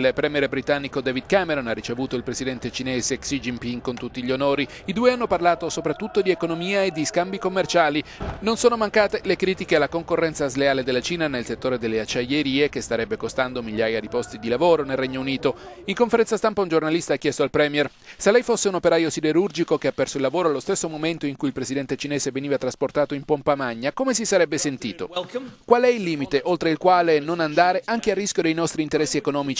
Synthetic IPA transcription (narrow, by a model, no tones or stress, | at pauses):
lpɾɛːmjɛɾbɾit̪anːikod̪ɛːvid̪̚kameɾonarːit͡ʃevuːt̪oilpɾesid̪ɛnt̪et͡ʃineːzeksid͡ʒimpiŋkont̪ut̪ːiʎonoːɾi | id̪uːeanːoparlaːt̪osopɾat̪ːut̪ːod̪iekonomiːaed̪ːiskambikomːert͡ʃaːlinonsoːnomaŋkaːt̪elekɾiːt̪ikealakoŋkorːɛnt̪saːzleaːled̪elːat͡ʃiːnanelset̪ːoːɾed̪elːeat͡ʃːajeɾiːekest̪aɾɛbːekost̪and̪omilʎjːaːjad̪ipɔst̪id̪ilavoːɾonelreɲːouniːt̪oiŋkoɱfeɾɛnt̪sast̪ampaund͡ʒornalist̪aakːjɛst̪oalpɾɛːmjɛr | selːɛjfosːeunopeɾaːjosid̪eɾurd͡ʒikokeapːɛrsoilːavoːɾoalːost̪esːomoment̪oiŋkuilpɾezid̪ɛnt̪et͡ʃineːzeveniːvat̪ɾasport̪aːt̪oimpompamaɲːakomes̬isaɾɛbːesent̪iːt̪o̰kwalɛilːiːmit̪eʔolt̪ɾeilkwaːlenonand̪aːɾeʔaŋkearːiskʲjod̪ejnɔst̪ɾiːnt̪eɾɛsːiekonɔːmit͡ʃi